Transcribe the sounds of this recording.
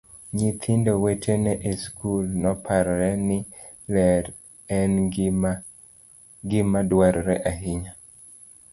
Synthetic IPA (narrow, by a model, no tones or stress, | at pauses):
ɲit̪ʰɪndowetʰenɛʔeskulnɔpʰaɾɾɛnɪ | lɛɾ | ɛn | ɡɪmadwaɾɾɛʔaɦɪɲa